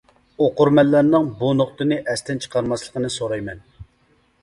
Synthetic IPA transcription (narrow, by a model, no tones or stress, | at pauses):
oqʊɾmɛlːæɾnɨŋbunoχt̪ɨnɨʔɛst̪ɪnt͡ʃʰə̥qʰɑɾmɑslˠəqənɨsoɾɑjmɛn